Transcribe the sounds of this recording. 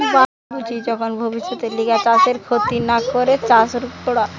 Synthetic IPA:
ba | bud͡ʒʰʱid͡ʒɔkʰɔnbʱəbisːɔt̪eliɡat͡ɕaseɾkʰot̪inakɔɾet͡ɕasɾukt̪oɽa

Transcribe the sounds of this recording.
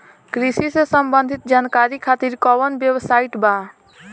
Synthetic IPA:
kɾisisesəmbənd̪ʱit̪̚d͡ʒankaɾikʰat̪iɾkɔʋənbjewsaiʈba

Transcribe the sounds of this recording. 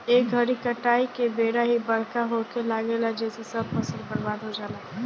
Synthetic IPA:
eːk̚ɡʱəɾikəʈaːikebeːɾaɦibəɽ̤kaɦokelaɡelad͡ʒɛːsesəbpəsəɾpəɽbaːd̪ɦod͡ʒaːla

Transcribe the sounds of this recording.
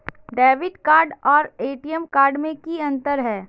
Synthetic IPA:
ɖɛːʋɪʈkaːɾɖɔːɾeːʈijəmkaːɾɖmẽkiɐ̃nt̪əɾɦɛː

